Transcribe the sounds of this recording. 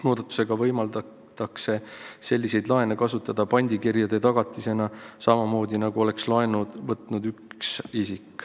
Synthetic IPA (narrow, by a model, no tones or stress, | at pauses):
no̞ːd̪ɑt̪ːˑu̥se̞ɡ̥ɑvɤjmɑld̪ɑ | t̪ɑkse̞se̞lʲːise̞jd̪lɑe̞nekɑsut̪ːˑɑd̪̥ɑpɑnʲd̪ikirjɑd̪̥e̞t̪ɑɡ̥ɑt̪ːˑise̞nɑsɑmɑmo̞ːd̪ʲinɑɡuo̞le̞kslɑenud̪vɤt̪ˑnud̪yksisikː